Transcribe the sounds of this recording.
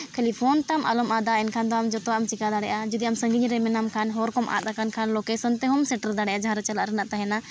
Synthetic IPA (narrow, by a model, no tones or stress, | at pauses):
kʰelipʰɔnt̪amʔa̰lɔmad̪aɛnkʰand̪ɔamd͡ʒɔt̪ɔamt͡ʃikad̪aɽɛʔad͡ʒɔd̪iamsə̃ŋɡiɲɾɛmɛnamkʰanɦɔɾkɔmʔa̰d̪akankʰanlokesɔnt̪ɛɦɔmsɛʈəɾd̪aɽɛjʔad͡ʒaɾt͡ʃalaʔɾɛnaʔt̪aɦɛna